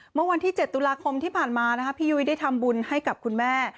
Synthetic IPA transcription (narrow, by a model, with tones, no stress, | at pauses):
mɯ˥˩ɐwa˧nt̪ʰiː˥˩t͡ɕe˨˩t̪ːu˧laː˧kʰo˧mt̪ʰiː˥˩pʰaː˨˩nmaː˧na˦˥kʰa˦˥pʰiː˧juː˧i˧daː˥˩jt̪ʰa˧mbu˧nha˥˩jka˨˩p̚kʰu˧nmɛː˥˩